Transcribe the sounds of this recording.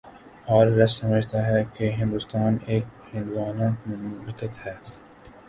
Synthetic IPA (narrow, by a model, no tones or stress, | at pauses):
ɔːɾːɐsɐməd͡ʒʱt̪aɦɛkeɦɪ̃nd̪ʊst̪aːneːkhɪ̃nd̪uwaːnãːkmɐnbɪkət̪hɛː